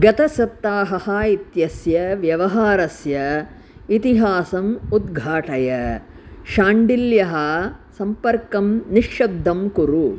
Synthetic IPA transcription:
ɡɐt̪ɐsɐt̪ːaːɦɐhɐit̪jɐsjɐʋjɐʋɐɦaːɾɐsjɐ | it̪iɦaːsɐmud̪ɡʱaːʈʰɐjɐ | ʃaːɳɖiljɐɦɐsɐmpɐɾkɐmniʃːɐbd̪ʱːɐmkuɾu

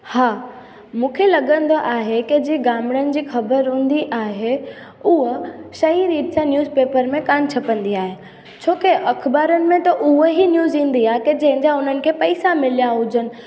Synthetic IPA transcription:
haː | mũːkʰelɐɠə̃nd̪oʔaːɦekɪd͡ʑiːɡaːmɽənɪ̆d͡ʑiːxɐbəɾɦũːn̆d̪iʔaːɦe | uɦʃɐɦiɾiːpsãnjuːzpeːpəɾmẽkaːnt͡ɕʰɐpə̃nd̪iaːɦe | t͡ɕʰoːkeʔɐkʰbaːɾənɪ̆mẽt̪ɐʔʊɦɦinjuːzĩːn̆d̪iaːɦeked͡ʑɐ̃ɦɪ̃ɲd͡ʑaʊn̤ənɪ̆kʰeːpɐɪsamɪlijaɦʊd͡ʑənɪ̆

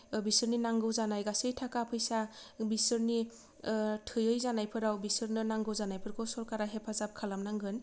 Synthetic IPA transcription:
bisɯɾninaŋɡɯwzanajɡasɯjtʰakapʰɯjsabisɯɾni | tʰɯjɯjzanajpʰɯɾawbisɯɾnɯnaŋɡɯwzanajpʰɯɾkʰɯsɔɾkaɾaɦepʰazap̚kʰalamnaŋɡɯn

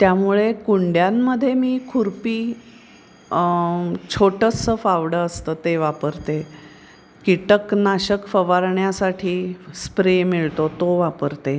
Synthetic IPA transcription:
t̪jamuɭekuɳɖjamːəd̪ʱːjemiːkʰuɾpiː | t͡ɕʰoʈəsəfaʋɽəəst̪əːt̪eʋapəɾt̪e | kiʈəknaɕəkfəʋaɾɳjasaʈʰiːspɾemiɭt̪ot̪oʋapəɾt̪e

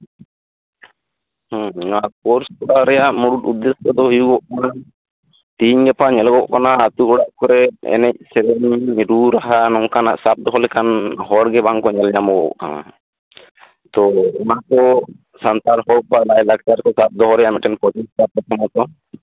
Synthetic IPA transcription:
hɔ̃akɔɾskɔɽaɾɛjaʔmuɽut̪ud̪ːɛskɔd̪ɔɦijuɡɔʔkana | t̪iɲɡɛpaɲɛlɡɔʔkanaːt̪ukɔɽaʔkɔɾɛɛ̰nɛc̚sɛɾɛɲɾuɾaɦanɔŋkana̰ʔsap̚d̪ɔɦɔlɛkanɦɔɽɡɛbʱaŋkɔɲɛlɲamɔɡɔ̰ʔkana̰ | t̪ɔɔnakɔ | sant̪aɾɦɔpalajlak̚t͡ʃaɾkɔsap̚d̪ɔɦɔɾɛjaʔmɛʈɛnpɔd͡ʒɔstapɔt̪ɔmɔt̪ɔ

